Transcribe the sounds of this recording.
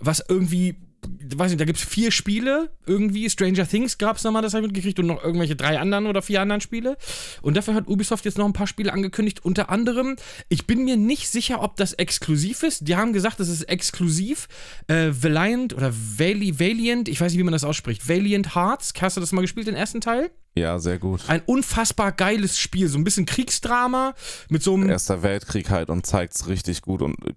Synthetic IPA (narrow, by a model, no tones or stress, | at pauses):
vasʔɪɐɡŋ̩tv̥iː | vaɪs̬nɪçdaɡiːptsfiːɐʃpiːləʔɪɐɡŋ̩tv̥iːstʁ̥ɛɪnd͡ʒɐθɪŋsɡ̥aːpsnɔmandas̬amɪtɡ̥əkʁ̥içtʊntnɔχʔɪɐɡŋ̩tvɛlçədʁaɪʔandəʁənoːdɐfiːɐandɐʁənʃpiːləʔʊnt̚d̥aːfyːɐhatʔuːbisɔftjɛt͡stnɔχn̩pʰaːɐʃpiːləʔanɡəkʰʏndɪçtʔʊntɐʔandəʁ̞əm | ʔɪçb̥ɪnmiːɐnɪçtz̥ɪçɐʔɔp̚d̥asɛkskluziːfɪstd̥iːhaːbm̩ɡəzaːχkt̚d̥as̬ɪstʔɛkskʰluziːf | ʔɛːvɪlaɪntʔo̰ːdɐvelveːljəntɪçvaɪsnɪçtv̥imandas̬ʔaʊsʃpʁ̥ɪçtveɪljənthaɐt͡skhastd̥uːdasmaːlɡəʃpiːlt̚d̥enʔeːɐstn̩tʰaɪl | ja̰ːzḛːɐɡuːtʔaɪnʔʊnfasb̥aːɐɡaɪləsʃpiːlzoːnbɪsçənkʁ̥iːksd̥ʁaːmamɪtz̥oːmḛːɐstd̥eɐvɛltkʁ̥iːkha̰ltʊ̰ntt͡sa̰ɪk̚tsʁɪçtɪçɡ̥ṵːtʊ̰nt